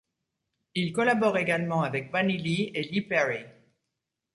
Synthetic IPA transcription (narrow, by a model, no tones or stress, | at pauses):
ilkɔlabɔʁeɡalmɑ̃avɛk̚banilielipɛʁi